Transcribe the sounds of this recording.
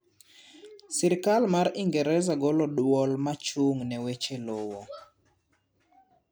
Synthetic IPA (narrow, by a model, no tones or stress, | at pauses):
sɛɾkalmaɾiŋɡɛɾɛzaɡɔlɔɗwɔlmat͡ʃuŋnɛwet͡ʃelowo